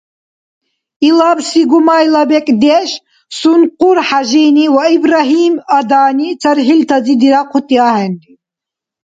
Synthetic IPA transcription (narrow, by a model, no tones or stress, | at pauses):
ilabsiɡumajlabɛkʼd̪ɛʃ | sunqʼuɾħaʒiniwaibɾaɦiːmad̪aːnit͡sʰɐɾɦilt̪ʰad͡zid̪iɾaqʰut̪ʼiaːɦɛnd̪i